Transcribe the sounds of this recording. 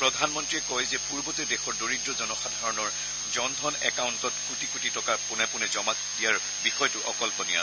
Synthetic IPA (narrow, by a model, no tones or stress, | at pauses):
pɹɔdʱanmɔntɹiɛkɔjzɛpuɹbɔtɛdɛxɔɹdoɹidɹɔzɔnɔxadʱaɹɔnɔɹ | zɔndʱɔnɛkawntɔtkutikutitɔkapʊnɛpʊnɛzɔmakdijaɹ | bixɔjɔtʊʔɔ̰kɔlpɔnija̰